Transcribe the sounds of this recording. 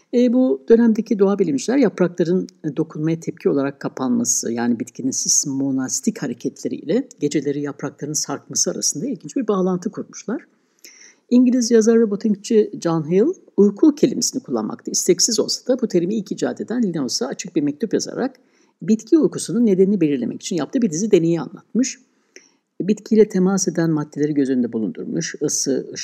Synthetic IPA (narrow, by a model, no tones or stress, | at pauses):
ɛːbud̪̥ø̞næmd̪e̞cʰid̪oabilʲimd͡ʒilʲæɾjapɾaklˠaɾɯnd̪o̞kʰunmajat̪ʰɛp̚cʰio̞lˠaɾakʰːapʰanmasɯ̰jaːnibit̪cʰinisiz̥mo̞nast̪ʰichaɾe̞cʰɛt̪lʲe̞ɾḭḭlʲɛɟ̥e̞d͡ʒe̞lʲe̞ɾijapɾaklˠaɾɯnsaɾkmasɯaɾa̰sɯnd̪ailʲɟʲind͡ʒibiɾbaːlˠant̪ʰɯkʰuɾmuʃlˠaɾ̥ | iɲɟilʲizjazaɾvɛbot̪ʰiɲkt͡ʃʰid͡ʒanɦelˠ | ujkʰucʰe̞lʲimesinikʰulˠːa̰nma̰k̚t̪ʰaist̪ɛcsizo̞̰lˠsḁd̪̥abut̪ʰeɾimiilʲcid͡ʒa̰ːd̪e̞d̪ænlʲinaosaːt͡ʃʰɯk̚biɾmɛc̚t̪upjaza̰ɾa̰k | bit̪cʰiujkusununːe̞d̪eninibelʲiɾlʲe̞mɛ̰ci̥t͡ʃʰinjap̚t̪ɯbid̪izid̪e̞ne̞jia̰nlˠa̰t̪mɯʃ | bit̪cʰilʲɛt̪ʰe̞mase̞d̪ænmad̪ːe̞lʲe̞ɾiɟø̞zyynd̪ɛbulˠund̪ṵɾmuʃɯsɯ